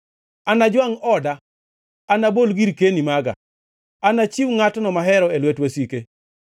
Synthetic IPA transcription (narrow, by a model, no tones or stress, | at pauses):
anad͡ʒwaŋɔda | anabolɡiɾkenimaɡa̰ | anat͡ʃiwŋatnɔmaɦɛɾɔelwetwesike